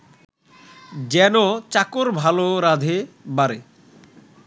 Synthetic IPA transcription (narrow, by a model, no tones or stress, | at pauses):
d͡ʑɛnot͡ɕakoɾbʱaloɾad̪ʱebaɾe